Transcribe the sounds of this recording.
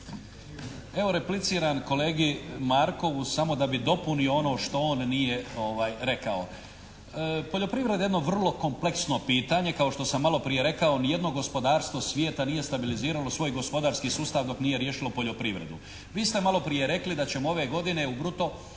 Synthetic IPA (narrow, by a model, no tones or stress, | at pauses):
e̞ʋo̞ɾe̞plit̪siːɾanko̞le̞ːɡimaɾko̞ʋusamo̞d̪abid̪o̞punioo̞no̞ːʃt̪o̞oːnːije̞o̞ʋaːjɾe̞kao | po̞ʎo̞pɾiʋɾed̪jeno̞ʋr̩lˠo̞ko̞mple̞ksno̞piːt̪aɲe̞kao̞ʃt̪o̞samːalˠo̞pɾije̞ɾe̞kao̞nije̞d̪no̞ɡo̞spo̞d̪aːɾst̪ʋo̞sʋjeːt̪anije̞st̪abiliziːɾalo̞sʋo̞ːjɡo̞spo̞d̪aːɾskiːsuːst̪aʋd̪o̞kniːje̞ɾjeʃilo̞po̞ʎo̞pɾiʋɾe̞d̪u | ʋiːst̪e̞malo̞pɾije̞ɾe̞klid̪at͡ɕe̞moo̞ʋeɡo̞d̪ine̞ubɾut̪o